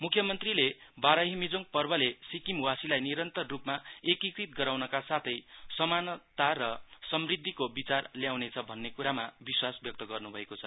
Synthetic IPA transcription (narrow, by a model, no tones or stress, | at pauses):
mukʰːjʌmʌnt̪rilebaɾʌɦimid͡zoŋɡ̚pʌrbʌlesikimwasilajniɾʌnt̪ʌrːupmaekikrit̪̚ɡʌɾawnʌkasat̪ʰʌjsʌmanʌt̪arʌsʌmrid̪ʱːikobit͡sarljawnet͡sʰʌbʱʌnːekuɾamabiswasbjʌk̚t̪ʌɡʌrnubʱʌekot͡sʰʌ